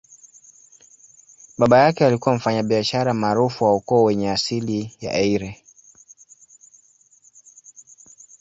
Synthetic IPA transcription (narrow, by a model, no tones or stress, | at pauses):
ɓaɓajakɛalikuwam̩faɲaɓiaʃaɾamaːɾufuwaukɔɔwɛɲɛasilija̰ʔɛiɾɛ